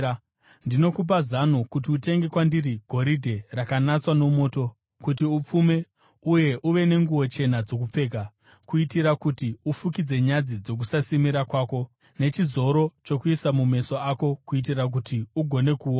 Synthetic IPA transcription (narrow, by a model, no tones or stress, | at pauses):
ndino̞kup̬azanokut̬iute̞ŋɡe̞kwandiriɡʱo̞ɾidʱe̞rakanat͡swano̞mo̞ːto̞ | kutiup͡fume̞ | uje̞ʔuʋe̞ne̞ŋɡuwo̞t͡ʃe̞nad͡zo̞k̬up͡fe̞ːk̬a | kuitiɾakutiufukid͡ze̞ɲad͡zid͡zo̞k̬usasimiɾakwaːko̞ | ne̞t͡ʃizo̞ɾo̞t͡ʃo̞kuisamume̞so̞ako̞kuit̬irak̬utiuɡʱo̞ne̞kuo